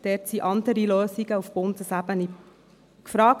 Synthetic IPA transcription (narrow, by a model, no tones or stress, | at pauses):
d̥ɛtsiʔɑndəɾiløːsiɡəufb̥ondəsæbəni | kfɾɑːk